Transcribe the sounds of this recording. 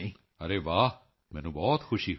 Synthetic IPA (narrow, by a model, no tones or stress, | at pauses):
ĩ | ɐɾeːʋaː | mɛ̃ːnũbɔːt̪xʰʊʃi